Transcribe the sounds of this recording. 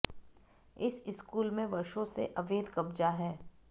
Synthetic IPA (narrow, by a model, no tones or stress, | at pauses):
ɪsɪskuːlmẽʋɐɾʃõsḛʔɐʋeːd̪kɐbd͡ʒaɦɛː